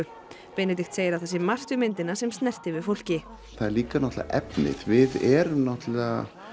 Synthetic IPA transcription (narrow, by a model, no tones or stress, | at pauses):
ʏ | pejnɪt̪̬ɪxt̪seːjɪɾawθɛs̬ɪmar̥t̪ʏmɪnt̪ɪnasɛmst̪nɛr̥t̪ɪvɪðfowl̥cɪ | θaðɛɾliːkanɔht̪la̰ʔɛpnɪ̰ðvɪðɛɾmnɔht̪la